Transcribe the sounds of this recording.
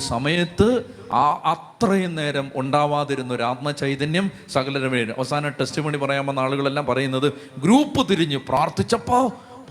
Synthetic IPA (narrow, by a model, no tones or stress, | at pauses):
sɐmɐjɐt̪ːɨ | ʔɐt̪rɐjɐne̞ːɾɐmuɳɖaːʋaːðiɾunːuoɾaːd̪̚mɐt͡ɕɐjt̪ɐnjɐm | sɐɣɐlɐɾɐʋeːnumʔɐ̰ʋɐsaːnɐʈesʈimɐɳipɐrɐjaːmenːaːɭuɣɐɭe̞lːaːmpɐrɐjunːɐðɨɡɾuːpːɨt̪iɾiɲːɨpraːrt̪it͡ɕːɐpːaː | p